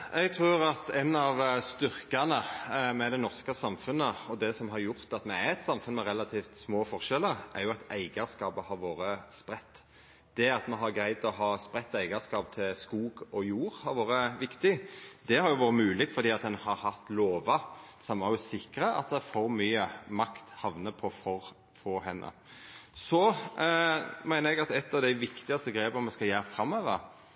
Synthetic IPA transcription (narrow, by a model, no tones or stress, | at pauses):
ɛɡ̚t̪ʰɾʉːɾɑt̪ɛnɑʋst̪ʏɾkɑnəmɛd̪ɛnɔʁskəsɑmfʉnːəɔd̪ɛsɔmɦɑɾjʊɾt̪ɑt̪mɛæɾɛt̪sɑmfʉnmɛɾɛlːɑt̪ʰiːft̪smoːfɔɾʂɛləɾʔɛɾjʊɑt̪æɪɡəɑskɑːpəhɑɾʋoːɾəspɾɛt̪ː | d̪̥ɛɑt̪mɛɦɑɾɡɾæɪd̪ɔɦɑːspɾɛt̪ːæɪɡɑskɑːp̚t̪ʰɪlskuːɡɔjuːɾhɑɾʋoːɾəʋɪkt̪ɪd̪̥ɛhɑɾjʊʋoːɾəmʉːlɪt̪fɔɾd̪iːɑt̪̚d̪ɛnhɑɾhɑt̪loːʋɑsɑmːɑʉsɪkːɾəʔɑ̰t̪̚d̪ɛfɔɾmyːəmɑkt̪hɑʋnəpʰɔfɔɾ | fɔːhɛnːʔə̰ | sɔ | mæɪnəɾɛɡɑt̪ɛt̪ːɑʋd̪æɪʋɪkt̪ɪɡɑst̪əɡɾeːpɔmɛskɑljæːɾəfɾɑmːøːʋə̰ɾ